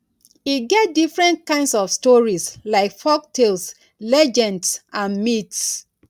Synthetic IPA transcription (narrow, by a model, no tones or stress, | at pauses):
iɡɛt̚difɹɛ̃nt̚kãɪ̃ndsɔfstɔɹislaɪkfɔk̚tʰels | lɛd͡ʒɛ̃ndsʔãnmits